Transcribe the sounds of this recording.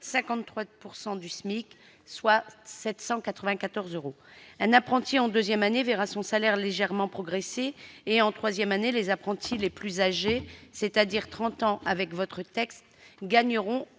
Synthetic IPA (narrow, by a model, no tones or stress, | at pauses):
sɛ̃kɑ̃t̪t̪ːχwapuʁsɑ̃d̪ysmik | swasɛt̪sɑ̃kat̪χəvɛ̃kat̪ɔʁzøʁo | ɛ̃napχɑ̃t̪iɑ̃d̪øzjɛmaneveʁasɔ̃salɛʁleʒɛʁmɑ̃pχɔɡʁeseːɑ̃t̪χwazjɛmanelezapχɑ̃t̪ʰileplyzaʒeset̪ad̪iʁt̪χɑ̃t̪ɑ̃ʔavɛkvɔt̪χət̪ɛkst̪ɡaɲəʁɔ̃